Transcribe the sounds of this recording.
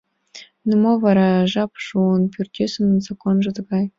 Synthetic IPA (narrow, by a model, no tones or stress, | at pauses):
numovɑɾɑʐɑpʂuənpʲyrʲt̪ʲesɤ̆nnzakonʐɤ̆t̪ɤ̆ɡɑj